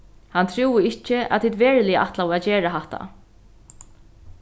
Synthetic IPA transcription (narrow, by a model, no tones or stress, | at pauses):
hant̪ʰɾuːɪɪt͡ʃɪa̰t̪ʰiːt̪vɛːɹlɪjʔa̰ht̪lavad͡ʒɛːɹaɦaht̪a̰